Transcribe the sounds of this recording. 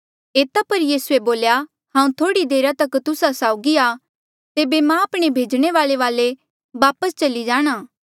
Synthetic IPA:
eːt̪apɐɾjiːsueboːlja | hãːũt̪ʰoːɽid̪eːɾat̪ɐkt̪ʊsasaːʊɡia | t̪eːbemãaːpɽ̃ebʱeːd͡ʒɽ̃eʋaːleʋaːle | ʋaːpəst͡ʃɐlid͡ʒaːɽ̃aː

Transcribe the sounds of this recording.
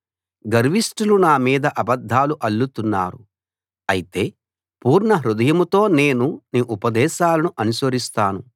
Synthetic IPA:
ɡɐɾʋisʈulunaːmiːd̪ɐʔɐbɐd̪ʱːaːluʔɐlːut̪unːa̰ːɾu | ɐjit̪e̞ː | puːɾɳɐɦɾud̪ɐjɐmut̪o̞ːne̞ːnuniːʔupɐd̪ɛːʃaːlɐnuʔɐnusʋɐɾist̪aːnu

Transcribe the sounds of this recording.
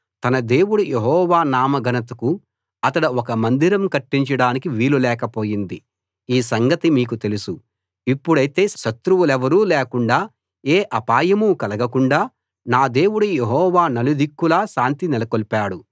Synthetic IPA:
t̪ɐnɐd̪e̞ːwuɽujeɦɔːʋaːnaːmɐɡɐnɐt̪ɐku | ɐt̪ɐɽɐɔkɐmɐnd̪iɾɐmkɐʈːiɲt͡ʃɐɽaːnikiʋiːlulɛːkɐpo̞ːjind̪i | iːs̬ɐŋɡɐt̪imiːkut̪e̞lusu | ipːuɽɐjit̪e̞ːʃɐt̪ɾuwulɛʋɐɾuːlɛːkuɳɖaː | eːʔɐpaːjɐmukɐlɐɡɐkuɳɖaː | naːd̪e̞ːwuɽujeɦɔːʋaːnɐlud̪ʱikːulaːʃaːnt̪inɛlɐkolpaːɽu

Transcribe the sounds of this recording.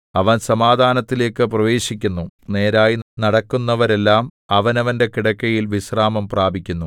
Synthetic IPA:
ɐʋɐnsɐmaːd̪ʱaːnɐt̪ːile̞ːkːɨprɐʋe̞ːɕikʲːunːune̞ːɾaːjinɐɽɐkːunːɐʋɐɾe̞lːaːmɐʋɐnɐʋɐnde̞kiɽɐkːɐjilʋisraːmɐmpraːbʱikʲːunːu

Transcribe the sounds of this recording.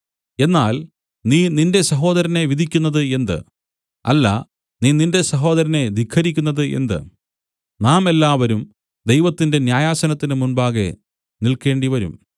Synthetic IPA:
e̞nːaːl | niːninde̞sɐɦo̞ːd̪ɐɾɐne̞ʋid̪ʱikʲːunːɐðɨe̞nd̪ɨ̰ | ɐ̰lːɐ̰ | niːnindesɐɦo̞ːd̪ɐɾɐne̞d̪ikʰːɐɾikʲːunːɐðɨʔe̞̰nd̪ɨ̰ | naːme̞lːaːʋɐɾum | d̪ejʋɐt̪ːinde̞njaːjaːsɐnɐt̪ːinɨmunbaːɡe̞̰ | nilke̞ːɳɖiʋɐɾṵm

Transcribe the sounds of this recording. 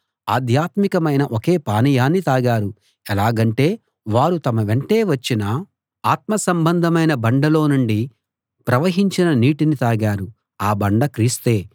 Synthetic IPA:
a̰ːd̪ʱjaːt̪mikɐmɐjnɐʔoke̞ːpaːnijaːnːit̪aːɡaːɾu | ɛlaːɡɐɳʈe̞ː | ʋaːɾut̪ɐmɐʋe̞ɳʈe̞ːʋɐt͡ʃːinɐ | aːt̪mɐsɐmbɐnd̪ʱɐmɐjnɐbɐɳɖɐlo̞ːnuɳɖi | pɾɐʋɐɦiɲt͡ʃinɐniːʈinit̪aːɡaːɾu | aːbɐɳɖɐkɾiːst̪e̞ː

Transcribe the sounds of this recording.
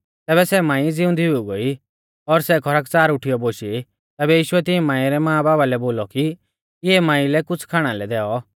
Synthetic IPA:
t̪ɛːbɛsɛmãːĩd͡zɪʊ̃nd̪ʱiɦʊɡoi | ɔɾsɛkʰɔɾakt͡saːɾʊʈʰijɔboʃi | t̪ɛːbɛjiːʃʊɛt̪ɪɛ̃mãːĩɾɛmãːbaːbalɛboːlɔki | ɪɛmãːĩlɛkʊt͡sʰkʰaːɽ̃alɛd̪ɛːɔ

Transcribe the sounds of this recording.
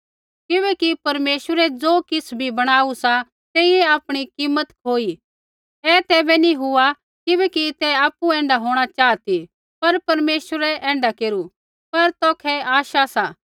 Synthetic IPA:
kɪbɛkipɐɾmeːsəɾɛd͡zoːkɪsbʱibɐɽ̃aːusa | t̪eːieaːpɽ̃ikiːmːət̪kʰoːi | ɛt̪ɛːbɛniɦʊa | kɪbɛkit̪ɛaːpːuɛ̃ːɳɖaɦoːɽ̃at͡ʃaːt̪i | pɐɾpɐɾmeːʃəɾɛʔɛ̃ːɳɖakeːɾu | pɐɾt̪ɔːkʰɛaːʃasaː

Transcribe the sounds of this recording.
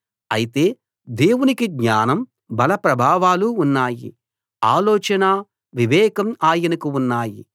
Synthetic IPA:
ɐ̰jit̪e̞ː | d̪e̞ːwunikiɡɲaːnɐm | bɐlɐpɾɐbʱaːʋaːluːnːaːjḭ | a̰ːlɔːt͡ʃɐna | ʋiʋɛːkɐmaːjɐnɐkuunːaːjḭ

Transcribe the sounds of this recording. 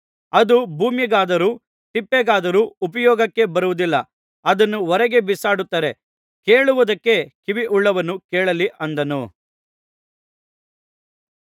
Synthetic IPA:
ɐd̪ubʱuːmjɐɡaːd̪ɐɾuː | ʈipːeɡaːd̪ɐɾuːpɐjɔːɡɐkːe̞bɐɾuʋud̪ilːɐ | ɐd̪ɐnːuɔɾɐɡe̞bisaːɽut̪ːaːɾe̞ | keːɭuʋud̪ɐkːe̞kiʋiʔuɭːɐʋɐnːukeːɭɐliʔɐnd̪ɐnu

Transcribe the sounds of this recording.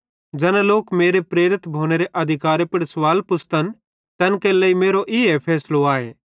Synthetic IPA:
d͡ʒɛnloːkmeːɾepɾeːɾɪt̪bʱoːɽ̃eɾeʔɐd̪ʱɪkaːɾepɪɽsʋaːlpʊst̪ən | t̪ɛnkeləimeːɾoʔɪepʰɛːsloaːḛː

